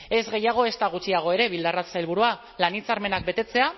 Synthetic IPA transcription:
e̞zɣe̞jaɣ̞o̞e̞st̪aɣ̞ut͡siaɣ̞o̞e̞ɾe̞βild̪arat͡sajlβ̞uɾua | lanit͡saɾme̞nak̚be̞t̪e̞t͡se̞a

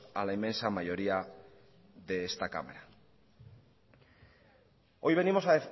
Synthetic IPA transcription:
alaimːẽ̞nsamaʝo̞ɾia | ðe̞est̪aka̰mḛɾa | o̞jβe̞nimo̞sae

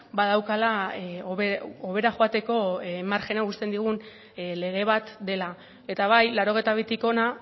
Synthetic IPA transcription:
bað̞awkala | oβe̞ɾaxoat̪e̞ko̞maɾxe̞naust̪e̞nd̪iɣ̞un | le̞ɣ̞e̞β̞at̪d̪e̞la | e̞t̪aβ̞ajlaɾo̞ɣe̞jt̪aβ̞it̪iko̞na

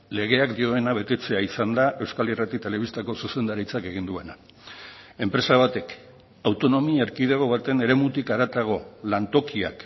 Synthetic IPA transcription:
le̞ɣ̞e̞akd̪io̞e̞naβ̞e̞t̪e̞t͡se̞aisand̪aʔe̞wskalirat̪it̪e̞le̞βist̪ako̞suse̞nd̪aɾit͡sake̞ɣ̞ind̪ue̞na | e̞mpɾe̞saβ̞at̪e̞k | awt̪o̞no̞miaeɾkið̞eɣ̞o̞βat̪e̞ne̞ɾe̞mut̪ikaɾat̪aɣ̞o̞lant̪o̞kia̰k

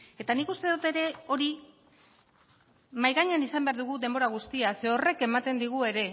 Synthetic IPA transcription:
e̞t̪anikust̪e̞ðut̪e̞ɾe̞o̞ɾi | majɣaɲeanisambe̞aɾðuɣ̞uðe̞mbo̞ɾaɣ̞ust̪iase̞o̞re̞ke̞mat̪e̞nd̪iɣ̞ue̞ɾe̞

